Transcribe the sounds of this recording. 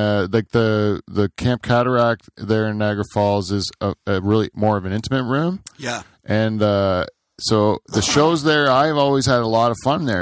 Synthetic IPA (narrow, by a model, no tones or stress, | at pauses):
ʌlaɪk̚ðɨðɨkʰæ̃mp̚kʰæɾə˞æk̚t̚ðə˞ɨ̃nːæɡɹəfɔlˠzɪzʌɹɪlˠimɔɹʌvɨ̃nɪ̃ntəmɨ̃ʔ̚ɹʉ̃mjæ | ʔɨ̃nʌ | soʊðɨʃoʊzðə˞aɪvɔlˠwiz̥ɨɾəlɔɾʌv̥fʌ̃nðə˞